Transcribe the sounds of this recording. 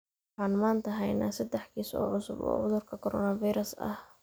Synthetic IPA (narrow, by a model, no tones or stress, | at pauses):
wħɑːnmaːnt̪ʰɐɦɛjna̰ːsɐd̪ɛħkʰiːsɔ̰ːʕʊsʊbɔ̰ːʕʊðʊrkʰɐkʰɔɾɔ̰ːnɐviɾɐsɐ̰h